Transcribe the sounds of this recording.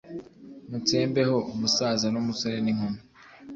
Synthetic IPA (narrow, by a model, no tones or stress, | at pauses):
mut͡seːmbe̞ho̞umusaːzanumusoɾeniŋ̥umo